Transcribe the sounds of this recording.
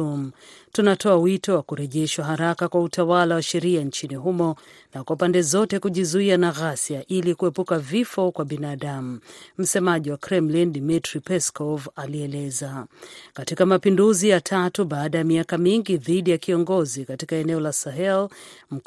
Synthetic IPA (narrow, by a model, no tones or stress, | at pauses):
m̩ | tunatʰɔawitɔwakuɾɛʄɛʃwaɦaɾakakwautawalawaʃɛɾiant͡ʃiniɦumɔ | nakwapandɛzɔtɛkuʄizuianaɣasiaʔilikuɛpukavifɔkwaɓinaɗam̩m̩sɛmaʄiwakɾɛmlindimitɾipɛskɔvaliɛlɛzakatikamapinduzijatʰatuɓaːɗajamiakamiŋɡiðiɗijakiɔŋɡɔzikatikaɛnɛɔlasaɦɛlm̩